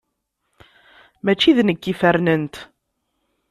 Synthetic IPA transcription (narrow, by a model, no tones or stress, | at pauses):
mæt͡ʃːiðnəɡːifæɾnənt̪